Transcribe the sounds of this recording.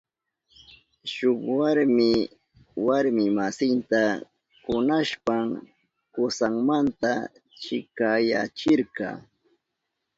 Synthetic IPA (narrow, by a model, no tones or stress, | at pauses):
ʃʊkwaɾmɪ | waɾmɪmasɪnt̪a | kʊnaʃpaŋ | kʊsaŋmant̪a | t͡ʃɪkaja̰t͡ʃɪɾkɑ̰ː